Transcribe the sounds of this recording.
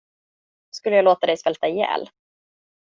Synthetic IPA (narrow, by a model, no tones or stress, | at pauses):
skɵlːəjɑːloːt̪ad̪ɛjspɛlt̪aɪjɛ̰ːl